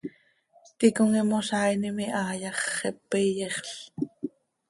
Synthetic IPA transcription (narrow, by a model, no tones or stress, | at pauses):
t̪ikoŋimoʃɑjnimiʔɑːjɑχːɛpːejeχɬ